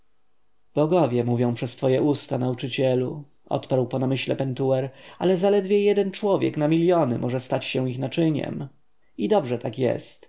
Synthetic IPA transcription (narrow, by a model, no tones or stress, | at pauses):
b̥ɔɡɔvʲjɛmuvʲjɔ̃w̃pʂɛst̪fɔjɛʔust̪anaut͡ʂɘt͡ɕɛlu | ʔɔ̰t̪paɾwpɔnamɘɕlɛ̰pɛnt̪uwɛɾa̰lɛzalɛd̪vʲjɛjɛd̪ɛnt͡ʂwɔvʲjɛ̰knamʲiljɔnɘ̰mʔɔʐɛst̪at͡ɕɕɛw̃ixnat͡ʂɘɲɛ̰m | id̪ɔbʐɛt̪akjɛ̰st̪